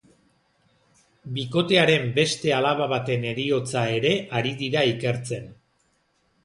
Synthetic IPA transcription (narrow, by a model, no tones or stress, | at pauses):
biko̞t̪e̞aɾe̞mbe̞st̪e̞alaβ̞aβ̞at̪e̞ne̞ɾio̞t͡sae̞ɾe̞ʔaɾiðiɾaike̞ɾt͡se̞n